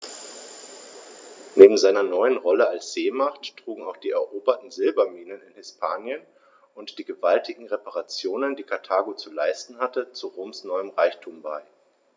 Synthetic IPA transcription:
neːbm̩zaɪnɐnɔʏənʁɔləalsz̥eːmaχtːʁ̥uːɡŋ̩aʊxd̥iːɛɐʔoːbɐtn̩zɪlbɐmiːnənɪnhɪspʰaːnjən | ʊntd̥iːɡəvaltʰɪɡŋ̩ʁepaʁat͡sjoːnəndiːkʰaɐtʰaːɡot͡sulaɪstn̩hatət͡suʁoːmsnɔʏəmʁaɪçtʰuːmbaɪ

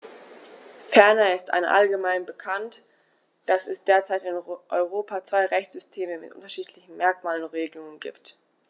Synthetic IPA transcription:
fɛɐnaɪstʔa̰nʔa̰lɡəmaɪnbəkʰant | d̥asɛsd̥eːɐt͡saɪtɪnʔɔʏʁ̞oːpʰat͡sv̥aɪʁɛçt͡sz̥ʏstʰeːməmɪtʔʊ̰ntɐʃiːtʰlɪçn̩mɛɐkmaːlənʁeːɡəlʊŋənɡḭːpt

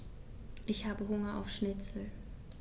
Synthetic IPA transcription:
ʔɪçhaːbəɦʊŋɐʔa̰ʊfʃnɪt͡sl̩

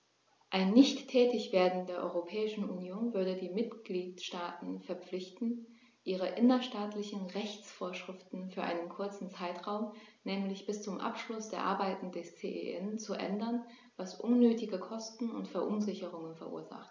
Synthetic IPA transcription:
ʔaɪnːɪçtʰːɛːtɪçv̥eːɐdn̩d̥eːɐʔɔ̰ʏʁopʰɛːɪʃn̩unjoːnvʏɐɾədiːmɪtɡ̥liːtʃtaːtn̩fɛɐp͡flɪçtn̩ | ʔiːʁ̞əʔɪnɐʃtaːtlɪçn̩ʁɛçt͡sfoːɐʃʁ̥ɪftn̩fyːɐʔa̰ɪnənkʰʊɐt͡sn̩t͡saɪtʁaʊmnɛːmlɪçb̥ɪst͡sʊmʔa̰pʃlʊsd̥eːɐʔa̰ɐbaɪtn̩dɛst͡sḛːʔḛʔɛnt͡suʔɛ̰ndɐn | vasʔʊnːøːtɪɡəkʰɔstn̩ʊ̰ntfɛɐʔʊnzɪçəʁ̞ʊŋənfɛɐʔṵːɐza̰χt

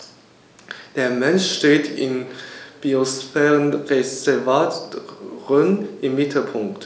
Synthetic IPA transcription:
d̥eːɐmɛnʃʃteːtʰɪnb̥iosfɛːʁənʁezɛvaːtʁənɪmːɪtʰl̩pʰʊŋkt

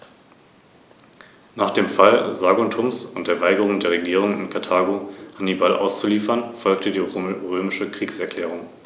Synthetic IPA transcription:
naːχd̥eːmfalzaːɡotʰʊmsʊnt̚d̥eːɐvaɪɡəʁ̞ʊŋdeːɐʁeɡiːʁ̞ʊŋɪnkʰaɐtʰaːɡohanibalʔa̰ʊst͡suliːfɐnfɔlktədiːʁøːmɪʃəkʁ̥iːksɛɐkʰl̥ɛːʁ̞ʊŋ

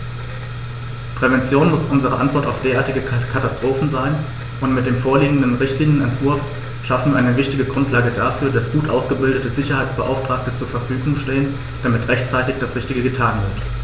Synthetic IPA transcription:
pʁ̥ɛvɛnt͡sjoːnmʊsʔʊnzəʁ̞əʔa̰ntv̥ɔɐtaʊfd̥eːɐaːɐtɪɡəkkʰatastʁ̥oːfn̩zaɪn | ʔʊntmɪt̚d̥eːmfoːɐliːɡŋ̩dənʁɪçtliːnjənɛntv̥ʊɐf | ʃafn̩ʔa̰ɪnəvɪçtɪɡəɡʁʊntʰlaːɡədaːfyːɐdasɡ̥uːtʔaʊsɡ̥əbɪldətəzɪçɐhaɪt͡sb̥əʔa̰ʊftʁ̥aːk̚tət͡suːɐfɛɐfyːɡʊŋʃteːən | d̥amɪtʁɛçtt͡saɪtɪçd̥asʁɪçtɪɡəɡətʰaːnvɪɐt

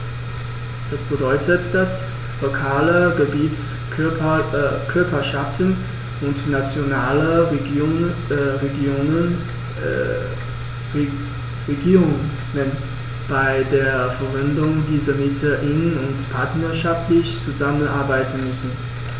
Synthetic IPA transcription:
d̥asb̥ədɔʏtʰətd̥as | lokʰaːləɡəbiːt͡s | kʰʏɐpɐʃaftən | ʔʊntnat͡sjonaːlə | ʁeɡoːnə | ʁeɡiːʁʊŋ | ŋən | b̥aɪdeːɐfɛɐvɛndʊŋdiːzəɐmɪtʰəʔɪnʊntpʰaɐtnəɐʃaftlɪçt͡suzamənʔa̰ɐbaɪtn̩mʏsn̩

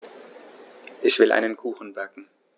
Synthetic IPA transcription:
ʔɪçv̥ɪlʔa̰ɪnənkʰuːxn̩vɛɐkŋ̩

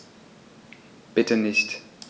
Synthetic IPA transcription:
b̥ɪtʰənɪçt

